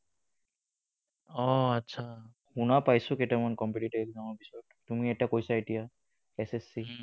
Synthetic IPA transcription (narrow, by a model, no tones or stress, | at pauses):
ɔatːsʰa | hunapajsʊketamankɔmpiʈitɔɛkzamɔbisɔttumiɛtakojsaetija | ɛsesi